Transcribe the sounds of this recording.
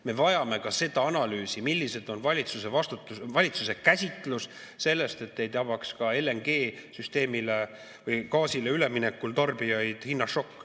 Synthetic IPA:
me̞vɑjɑme̞kɑse̞d̪̥ɑɑnɑlyːsimilːise̞d̪̥o̞nvɑlʲit̪suse̞vɑst̪ut̪ːˑuvɑlʲit̪suse̞kæsʲit̪ˑlus | se̞lːe̞st̪e̞t̪nːe̞jt̪ɑbɑkskɑe̞le̞ŋɡe̞ːsyst̪e̞ːmile̞ | vɤjkɑːsileyle̞minekːult̪ɑrb̥ijɑjd̪̥hinːɑʃo̞kː

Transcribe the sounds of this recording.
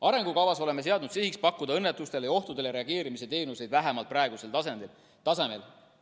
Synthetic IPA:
ɑɾe̞ŋɡ̥ukɑvɑso̞le̞me̞s̬e̞ɑd̪nud̪siɦikspɑkːud̪̥ɑɤnːet̪ːˑust̪e̞ljɑo̞ht̪ud̪ejɑɾe̞ɑɡ̥e̞ːɾimise̞t̪e̞ːnuse̞jd̪̥væɦemɑlt̪̚prɑeɡ̥use̞lt̪ɑsend̪il | t̪ɑse̞me̞l

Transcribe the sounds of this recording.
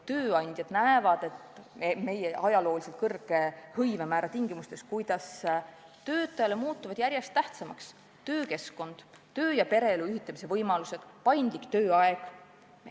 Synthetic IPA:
t̪øːɑnʲd̪̥jɑd̪̥næevɑd̪̥e̞t̪me̞jeʔɑjɑlo̞ːlise̞lt̪kɤrɡ̥e̞hɤjvemæːɾʔɑt̪iŋɡimust̪e̞skujd̪̥ɑs | t̪ø̞ːt̪ˑːɑjɑle̞muːt̪ːˑuvɑd̪jæɾje̞st̪ːæht̪sɑmɑks | t̪ø̞ːke̞sko̞nd̪̥ | t̪ø̞ːjɑpe̞ɾe̞eluyɦit̪ːˑɑmise̞vɤjmɑluse̞d̪̥pɑjnd̪̥likt̪øːɑeɡ̥

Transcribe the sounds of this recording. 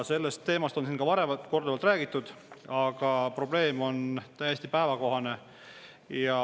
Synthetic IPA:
se̞lːest̪ːe̞ːmɑst̪o̞nsiːnkɑvɑɾe̞vɑt̪ko̞rd̪evɑlt̪ræːɡ̥it̪ːˑud̪̥ɑɡ̥ɑpro̞b̥le̞ːmo̞nt̪æjesʲt̪ipæevɑko̞ɦɑne̞ | jɑ

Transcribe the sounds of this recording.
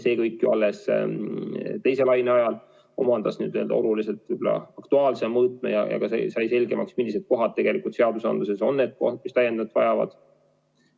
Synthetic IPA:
se̞ːkɤjkːjuɑlːes | t̪e̞jse̞lɑjneɑjɑl | o̞̰mɑnd̪̥ɑsnyːd̪̥eld̪ɑ̰o̞luliselt̪yblɑ̰ɑkt̪uɑːlsemɤːt̪ˑnɑ̰jɑ̰jɑ̰kɑsesɑjse̞lʲɡ̥e̞mʔɑksmilːise̞d̪̥̚ko̞ɦɑd̪̥̚t̪ːe̞ɡ̥e̞likˑult̪se̞ɑd̪usɑ̰nd̪luse̞so̞̰nːe̞ːd̪̥̚ko̰hd̪mist̪æjend̪ɑt̪vɑjɑvɑ̰d̪̥

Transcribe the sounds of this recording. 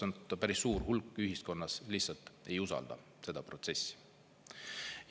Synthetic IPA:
ont̪ːɑpæɾisːuːrɦulkːˑyɦisko̞nːɑslihsɑlt̪e̞jusɑ̰ld̪̥ɑ̰ | se̞d̪̥ɑpro̞t̪se̞sʲːi̥

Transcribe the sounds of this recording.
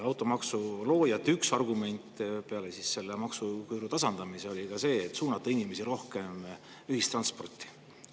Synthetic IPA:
ɑwt̪ːˑo̞mɑksulo̞ːjɑt̪ːˑyksɑrɡume̞nʲt̪ːˑpe̞ɑle̞sise̞lːe̞mɑksukyːɾut̪ɑsɑnd̪ɑmise̞o̞lʲikɑse̞ːt̪ːsuːnɑt̪ˑːɑinʲime̞siɾo̞hke̞m | yhist̪rɑnspo̞rt̪ːˑi̥

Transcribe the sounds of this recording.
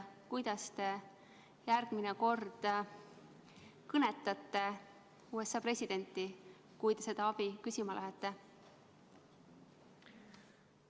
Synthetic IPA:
kujd̪̥ɑst̪e̞ | jæɾɡ̥mineko̞rd̪̥ | kɤne̞t̪ːˑɑt̪ːe̞ | uːe̞sɑːpre̞sʲid̪̥e̞nʲt̪ːˑi | kujd̪e̞se̞d̪̥ɑɑb̥ikysʲimɑlæɦet̪ˑːe̞

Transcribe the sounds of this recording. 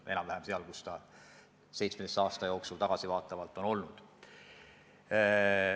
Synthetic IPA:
ʔe̞nɑmvæhæmseɑlkust̪ɑ | se̞jt̪smeesɑːst̪ɑjo̞ːksult̪ɑɡ̥ɑsivɑːt̪ːˑɑvɑlt̪ːˑo̞no̞lnud̪̥

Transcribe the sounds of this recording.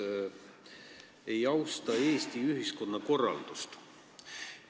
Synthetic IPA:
ejɑwst̪ɑe̞ːst̪iyɦisko̞nːɑko̞rːɑ̰ld̪̥ust̪

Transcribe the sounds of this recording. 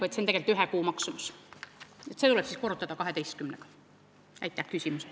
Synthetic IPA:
et̪sent̪eɡelt̪ːyɦekuːmɑksumus | et̪set̪ulɛpsiːskorut̪ːˑɑd̪̥ɑkɑɦe̞t̪ejst̪̚kymneɡ̥ɑ̥ | æ̰jt̪ːˑæhkysʲimuse

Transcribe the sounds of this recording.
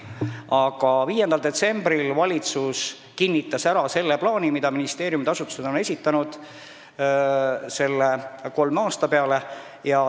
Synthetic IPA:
ɑɡ̥ɑviːjend̪ɑld̪e̞t̪se̞mbɾilvɑlʲit̪sus | kinʲːit̪ːˑɑsæɾɑse̞lːeplɑːnimid̪̥ɑminist̪e̞ːɾjumit̪ɑsut̪ːˑu̥se̞d̪o̞ne̞sʲit̪ːˑɑnud̪̥ | se̞lːeko̞lmɑːst̪ɑpe̞ɑle̞ | jɑ

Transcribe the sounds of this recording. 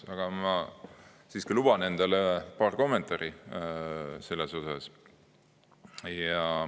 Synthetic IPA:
ɑɡ̥ɑmɑ | siːskilub̥ɑne̞nd̪̥ɑlepɑːrko̞mːe̞nt̪ˑɑɾi | se̞lːeso̞sɑ̰s | jɑ

